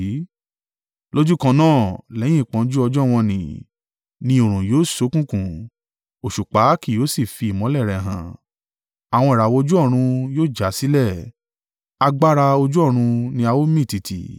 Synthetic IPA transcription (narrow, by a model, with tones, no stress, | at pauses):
lo˦d͡ʒu˦kã˧nãː˦˨lɛ˨˦j̃ĩ˦˨k͡pɔ̃˧˦d͡ʒu˦ɔ˧d͡ʒɔ˦w̃ɔ̃˧nĩ˨ | nĩ˧˦o˨ɾ̃ũ˨joː˨˦˨so˨˦kũ˦˨kũ˨ | o˨ʃu˨k͡pa˨˦ki˦˨jo˨˦si˦˨fi˧i˨mɔ̃˨˦lɛ˦˨ɾɛ˨ɦã̰˨ | a˨w̃ɔ̃˧i˨ɾa˨wo˧˦d͡ʒu˦ɔ˦˨ɾ̃ũ˧joː˦d͡ʒa˨˦si˦lɛ˦˨ | a˧ɡ͡ba˦ɾa˧o˧d͡ʒu˦ɔ˦˨ɾ̃ũ˧nĩ˧a˧wo˦mĩ˦˨ti˨tḭ˨